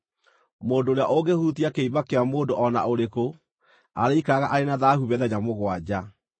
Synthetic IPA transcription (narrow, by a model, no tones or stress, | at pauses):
moːndoːɾeaʔoɡehutiakeiβakeamoːndoʔɔna̰oɾeko | a̰ɾeikaɣaʔaɾenaðahuβɛðɛɲamoɣwad͡ʑa